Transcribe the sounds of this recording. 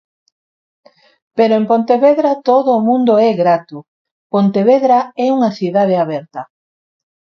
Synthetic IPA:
peɾoempont̪eβeðɾat̪oðoːmũnd̪oɛɣɾat̪ʊ | pont̪eβeðɾaɛuŋɐθiðað̞eaβɛɾt̪ɐ

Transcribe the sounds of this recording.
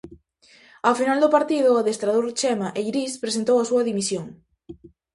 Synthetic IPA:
afinald̪ʊpaɾt̪iðʊaðest̪ɾaðoɾt͡ʃɛmaʔeɾispɾesent̪owɐsuɐðimisjoŋ

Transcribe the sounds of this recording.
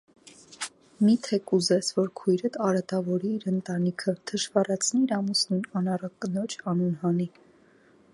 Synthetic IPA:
mit̪ʰɛkuzɛsʰvɔɾkʰujɾət̪ɑɾɑt̪ɑvɔɾiːɾənt̪ɑnikʰət̪ʰəʃvɑrɑt͡sʰniːɾɑmusnujnɑnɑrɑkːənɔt͡ʃʰɑnunɦɑni

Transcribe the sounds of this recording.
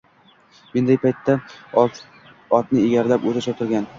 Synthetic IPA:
mend̪ajpʰajt̪ʰːa | ɒt̪nɪeɡʲaɾlapɵzaʃɒt̪ʰɪɾɡʲan

